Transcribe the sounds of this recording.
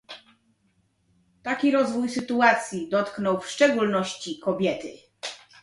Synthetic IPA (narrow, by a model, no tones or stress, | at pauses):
t̪akʲiɾɔzvujsɘt̪uat̪sʲjid̪ɔt̪knɔwfʂt͡ʂɛɡulnɔɕt͡ɕikɔbʲjɛt̪ɘ̰